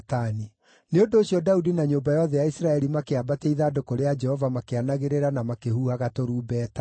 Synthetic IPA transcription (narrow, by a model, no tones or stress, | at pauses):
tani | neondoːɕiɔdaudinaɲobajɔðɛjaisɾaɛɾimakeabateiðaːdokoɾead͡ʒɛhɔvamakeanaɣeɾeɾanamakehuhaɣatoɾuːbɛːta